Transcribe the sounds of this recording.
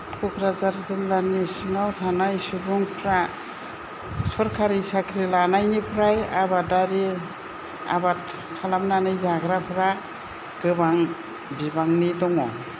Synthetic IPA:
pʰukʰɾazaɾzɯlːanisiŋawtʰanajsubuŋpʰɾa | sɔɾkʰaɾisakʰɾilanajnipʰɾajabadaɾi | a̰bat̚ | kʰalamnanɯjzaɡɾapʰɯɾa | ɡ̥ɯbaŋ | bibaŋnidɔŋɔ

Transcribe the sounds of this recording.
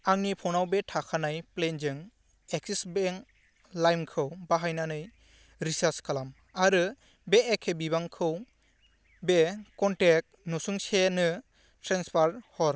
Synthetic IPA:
aŋnipʰɔwnawbetʰakʰanajplend͡ʒɯŋ | eksisbeŋ | lajmkʰɯwbaɦajnanɯj | ɾisaɾskʰalam | aɾɯ | beːkʰːebiβaŋkʰɯw | bekɔntek̚ | nɔsuŋsenɯ | tɾanspʰaɾhɔɾ

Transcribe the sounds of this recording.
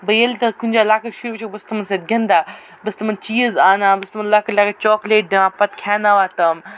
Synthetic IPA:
bɐjɐlt̪ɐkunʲd͡ʒaːlaːkɐʃubɐt͡ʃʰɐkbɐst̪ɐmɐnsɐt̪̚ɡʲɐnd̪aː | bɐst̪ɐmɐnt͡ʃiːzaːnãːbɐst̪ɐmɐnlaːkɐlʲaːkɐt͡ʃɔːkleːʈ̚d̪eʋãːpɐt̪kʲʰaːnaʋaːt̪ɐm

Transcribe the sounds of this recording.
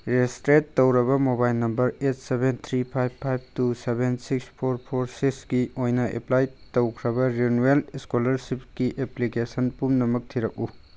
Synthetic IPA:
ɾestɾetːowɾɐbɐmobajlnɐmbɐɾet̚sebent̪ʰɾipʰajbpʰːajb̚tusebensikspʰoɾpʰoɾsiksɡiojnɐḛplajtowkʰɾɐbɐɾenueliskolɐɾsip̚kiʔeplikesɐnpumnɐmɐk̚tʰiɾɐk̚u

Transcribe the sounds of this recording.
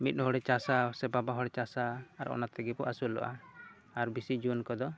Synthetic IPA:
mit̪̚hɔɽɛt͡ʃasasɛbabaɦɔɽɛt͡ʃasaːɾʔɔ̰nat̪ɛɡɛpɔʔasulɔ̰ʔa | aɾbisid͡ʒunkɔd̪ɔ

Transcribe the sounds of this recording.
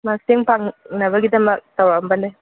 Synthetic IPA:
mak̚siŋpaŋnɐβɐɡidɐmɐk̚tawɾambɐnda

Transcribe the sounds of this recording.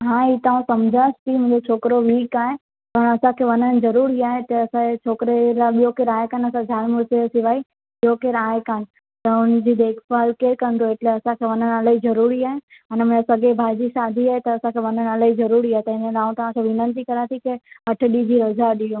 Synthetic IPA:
ɦãːiːt̪aːũsɐmd͡ʑʱaːst̪ʰimʊ̃ɦɪ̃d͡ʑot͡ɕʰoːkɾoʋiːkaːɦẽ | pɐɽ̃ɐsãkʰeːʋɐnəɽ̆zɐɾuːɾiaːɦet̪ɐɐsãt͡ɕʰoːkɪɾelaɓijokeːɾaːɦekaːnɐsãd͡ʑʱaːlmʊɾsesɪʋaːi | ɪijokeːɾaːɦekaːnɪ̆ | t̪ɐʊn̆d͡ʑiːd̪eːkʰfaːlkeːɾkɐ̃nd̪ʰʱoɪʈleɐsãkʰeːʋɐnənəlaːizɐɾuːɾiaːɦe | ɐnm̃sɐɠebʱaːd͡ʑisaːd̪ʱiaːɦet̪ɐːsãkʰeːʋɐnənəlaizɐɾuːɾiaːɦet̪ɐɦɪ̃nəlaːũt̪ɐʋ̤ãkeʋɪnə̃nt̪̬ikɐɾat̪ʰikeɦɐʈʰʊ̆ɗid͡ʑiɾɐzaɗiõ

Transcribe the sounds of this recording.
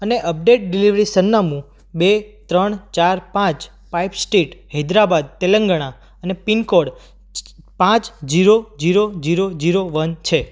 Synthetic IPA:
əneʔəp̚ɖeʈ̚ɖiliʋɾisənːamũ | bet̪ɾəɳt͡ʃaɾpãt͡ʃ | paipsʈiʈɦɛd̪ɾabad̪̚t̪eləŋɡəɽ̃a | ənepinkoɽ | pãt͡ʃd͡ʒiɾod͡ʒiɾod͡ʒiɾod͡ʒiɾoʋənt͡ʃʰe

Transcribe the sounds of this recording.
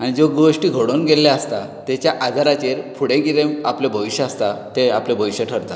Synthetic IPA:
aɽ̃id͡zoɡoʂʈiːɡʱoɽonɡeljaəst̪a | t̪ɛt͡ɕjaʔad͡zʱaɾat͡ɕeɾpʰuɽẽɡiɾeaplebʱəʋiɕəast̪at̪eaplebʱəʋiɕəʈʰəɾt̪a

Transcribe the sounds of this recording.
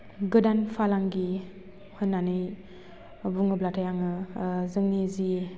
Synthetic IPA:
ɡɯdanpʰalaŋɡi | hɯnːanɯj | buŋɯblatʰajaŋɯzɯŋnizi

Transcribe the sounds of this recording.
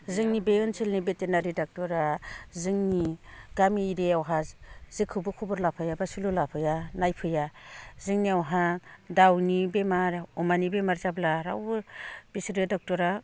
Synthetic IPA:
zɯŋnibeɯnsʰilnibetenaɾidak̚tɔɾazɯŋniɡ̥amiːɾeawɦazzɯkʰːɯbɯkʰubɯɾlapʰɯjabasululapʰɯjanajpʰɯjazɯŋniawɦadawnibemaɾɔmanibemaɾzablaɾa̰wbb̥isɾɯdak̚tɔɾa

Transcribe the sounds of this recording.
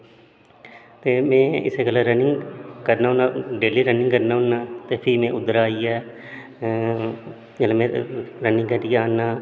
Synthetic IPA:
t̪eːmɛ̃ːɪ̰seːɡəlaɾənɪ̃ŋɡkəɾnaːɦnãːɖeːliːɾənɪ̃ŋɡkəɾnaːɦʊnːaːt̪eːpʰɪmɛ̃ːʔʊd̪əɾaːiːɛː | d͡ʒəlemẽɾənɪ̃ŋkəɾiaːnːaː

